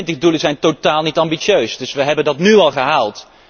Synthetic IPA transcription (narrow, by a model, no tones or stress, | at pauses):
ntəɣduləzɛjntotaːlˠnitɑmbiʃjøɥsdɵsʋəɦɛbəndɑtnyɑlˠχəɦaːlˠt